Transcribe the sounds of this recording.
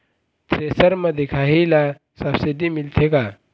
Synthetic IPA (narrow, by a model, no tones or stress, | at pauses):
t̪ʰɾesəɾmɐ̃d̪ekʰaɦila | səbsiɖimilt̪ʰeka